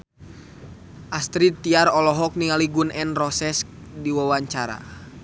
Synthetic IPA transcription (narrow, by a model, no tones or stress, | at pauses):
ʔast̪ɾit̪ːiaɾɔlɔɦɔk̚niŋaliɡunɛnrɔsɛsk̚diwawaɲt͡ʃaɾa̰